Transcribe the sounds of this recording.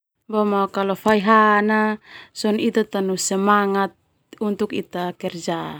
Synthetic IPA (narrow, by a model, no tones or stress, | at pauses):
bɔmakalɔfaiɦanasɔnit̪at̪anusɛmaŋat̪̚ | unt̪ukit̪akɛrd͡ʒa